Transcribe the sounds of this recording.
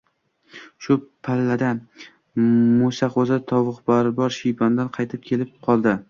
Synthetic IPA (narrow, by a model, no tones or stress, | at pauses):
ʃʊpʰalːad̪a | mʊsaqozat̪ʰɒwɨqbaɾbɒɾʃijband̪anqʰɑjt̪ʰɪp̚kʲʰe̞lɪp̚qʰɒlˠd̪ɪ